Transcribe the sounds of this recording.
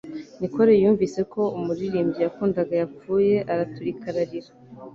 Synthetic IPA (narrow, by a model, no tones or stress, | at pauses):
niko̞ɾejuːɱvise̞ko̞umuɾiɾiːmbɟijakuːndaɡajap͡fuːje̞ʔaɾatuɾikaɾaɾiɾa